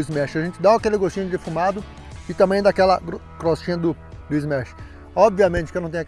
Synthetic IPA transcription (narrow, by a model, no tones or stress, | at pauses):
ɪzmɛʃɪaɐʒẽnt͡ʃɪd̪aakelɪɡoʃt͡ʃĩɲʊd͡ʒɪfumad̪ʊ | ɪt̪ɐ̃mbẽj̃d̪akɛlɐɾ | kɾoʃt͡ʃĩɲɐd̪ʊ | d̪ʊizmɛʃɪ̥ | ɔbviɐmẽt͡ʃɪ̥kenɐ̃t̪ẽj̃ɐ